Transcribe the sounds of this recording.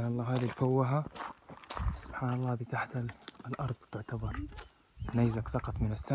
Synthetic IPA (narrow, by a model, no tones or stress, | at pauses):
nɑlˤːɑːɦaːðilfawːaɦa | sʊ̥b̥ħaːnɑlˤːɑːbɪt̪aħt̪alʔɑɾˤd̪ˤt̪ɪʕt̪abɑɾˤ | naːzaksɑqɑt̪ˤmɪnasːa